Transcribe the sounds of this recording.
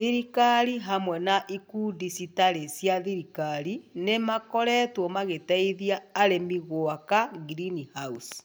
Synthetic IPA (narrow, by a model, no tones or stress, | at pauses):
iɾikaɾiɦamwɛnaʔikudisitaɾesjaðiɾikaɾinemakɔɾɛtwɔmaɣetaiðiaːɾemiɣwakaɡiɾinihaus